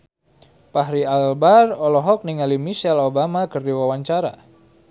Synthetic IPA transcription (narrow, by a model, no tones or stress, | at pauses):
paɦɾialbarɔlɔɦɔk̚niŋalimiʃɛlobamakərdiwawaɲt͡ʃaɾa̰